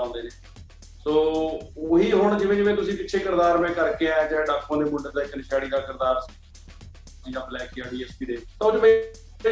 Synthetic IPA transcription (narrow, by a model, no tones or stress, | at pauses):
ãːnd̪eːneː | soːoɦiːɦʊɳd͡ʒɪʋẽːd͡ʒɪʋẽːt̪̬ʊsĩːpɪtːʃʰeːkɪɾd̪aːɾmɛ̃ːkəɾkeːɛːd͡ʒɛːɖaːkʰːõːd̪eːmʊɳɖəɾd̪aːɪknɪʃaːɽiːd̪aːkɪɾd̪aːɾ | iːd̪aːblɛːkeaːɖiːɛːspiːd̪eːt̪ãːʊd͡ʒmẽ